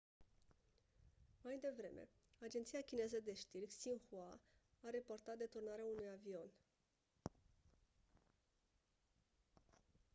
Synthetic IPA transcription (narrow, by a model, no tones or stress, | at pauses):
majd̪e̞vɾe̞̰mʔe̞̰ | ad͡ʒent̪siakʲine̞zəd̪e̞ʃt̪irkʲsiŋxua | aɾe̞po̞rt̪at̪̚d̪e̞t̪urnaɾeaunujavio̞n